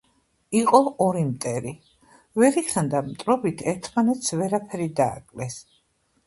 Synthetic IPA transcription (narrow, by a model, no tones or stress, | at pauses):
iqʼɔɔɾimt̪ʼɛɾi | vɛɾikχand̪amt̪ʼɾɔbit̪ʰɛɾt̪ʰmanɛt̪svɛɾapʰɛɾid̪a̰ːkʼlɛs